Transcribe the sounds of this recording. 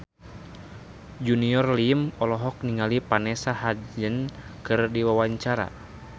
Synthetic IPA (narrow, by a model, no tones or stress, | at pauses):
d͡ʒuniɔrlimɔlɔɦɔk̚niŋalipanɛsahad͡ʒənkɨrdiwawaɲt͡ʃaɾa̰